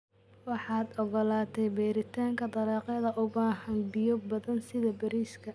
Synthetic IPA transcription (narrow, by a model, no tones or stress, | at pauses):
wɑħɑːd̪ɔɣɔlaːt̪ʰɛjbɛːɾɪt̪ʰaːŋkʰɐd̪ɐlɛːqɛðɐʔʊbaːhɐnbɪjɔbɐðɐnsɪðɐbɐɾiːskʰɐ